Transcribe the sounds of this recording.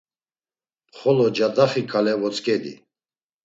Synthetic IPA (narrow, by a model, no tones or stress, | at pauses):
pχɔlɔd͡ʒad̪aχikʰalɛvɔt͡sʼkʼɛd̪ḭ